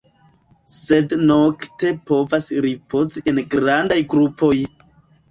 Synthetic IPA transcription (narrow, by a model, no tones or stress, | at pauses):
se̞dno̞kte̞po̞vasɾipʰo̞ziʔe̞nɡɾandajɡɾupʰo̞j